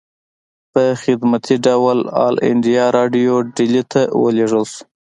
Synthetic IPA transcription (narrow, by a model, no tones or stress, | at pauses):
pəxɪd̪mat̪ʰiɖawlɑ̰lɪ̰ɳɖijɑɾɑɖijoɖilit̪ʰawə̰leʐəlsu̥